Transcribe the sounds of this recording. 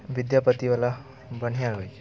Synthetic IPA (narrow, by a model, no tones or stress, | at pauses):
bid̪japət̪iʋala | bən̤ijaɾɦoj